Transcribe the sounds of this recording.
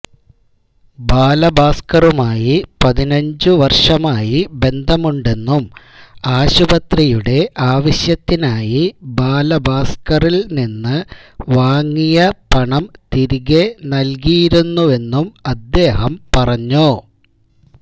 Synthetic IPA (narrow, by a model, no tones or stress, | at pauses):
baːlɐbaːskɐrumaːjipɐðinɐɲd͡ʑɨʋɐrʂɐmaːjibe̞nd̪ʱɐmuɳɖe̞nːum | aːɕubɐt̪rijuɽe̞ʔaːʋɐɕjɐt̪ːinaːjibaːlɐbaːskɐrilninːɨʋaːŋːijɐpɐɳɐmt̪iɾiɣenɐlk̬ijiɾunːue̞nːumɐd̪ːe̞ːɦɐmpɐrɐɲːu